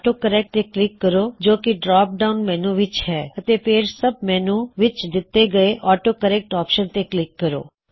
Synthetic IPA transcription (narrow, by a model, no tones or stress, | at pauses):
ʈokəɾɛk̚ʈeklɪkːəɾod͡ʒoːkiɖɾaːp̚ɖaunmɛːnũʋɪt͡ʃɦɛːət̪epʰeːɾsəb̚mɛːnũʋɪt͡ʃd̪ɪt̪ːeɡəeʔɔːʈokəɾɛk̚ʈɔːpʃənt̪eklɪkːəɾo̰ː